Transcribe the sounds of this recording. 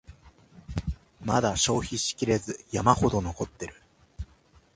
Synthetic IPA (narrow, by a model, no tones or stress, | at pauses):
mad̪aɕo̞ːçiɕi̥kʲiɾe̞zɨjamaho̞d̪o̞no̞ko̞t̪ːe̞ɾɯ̟̥